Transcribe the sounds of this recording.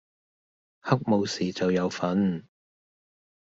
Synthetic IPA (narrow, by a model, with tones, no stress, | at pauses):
hɐ˥k̚mo˨˧wsiː˨t͡sɐ˨wjɐ˨˧wfɐ˨˥n